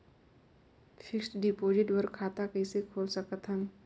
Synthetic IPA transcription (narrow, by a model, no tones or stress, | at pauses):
fʰɪksʈɖipoːd͡ʒɪʈwəɾkʰaːt̪akəɪsekʰoːlsəkət̪ɦən